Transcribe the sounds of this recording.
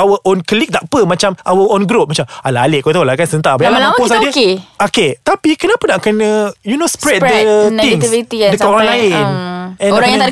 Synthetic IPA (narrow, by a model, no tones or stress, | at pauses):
awəʔonkəlik̚d̪aʔpəmat͡ʃamʔawəʔõnɡɾop̚mat͡ʃamalaaleʔkot̪alakansənt̪aʔbalalaposad͡ʒəkeoket̪apikənapənaʔkənəjunospɾɛt̚dət̪ɪŋt̪ivit̪idəkaɾãlaɪnɛ̃nɾajãa